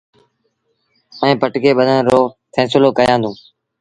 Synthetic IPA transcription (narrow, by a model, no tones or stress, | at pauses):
əẽːpəʈkeːɓəd̪ʱənɾoːfʰɛ̃ːsɪloːkəjãːnd̪ũː